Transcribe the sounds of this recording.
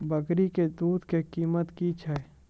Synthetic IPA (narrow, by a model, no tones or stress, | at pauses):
bəɡɾiked̪uːd̪kekiːmət̪kit͡ʃʰɛ